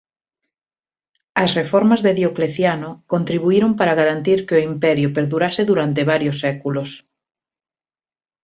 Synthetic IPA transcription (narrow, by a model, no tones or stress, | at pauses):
ɐsrefɔɾmɐzðeðjokleθjanʊkont̪ɾiβ̞uiɾompaɾaɣaɾant̪iɾkɪʊimpɛɾjʊpeɾðuɾasɪðuɾant̪eβaɾjʊsːɛkulʊs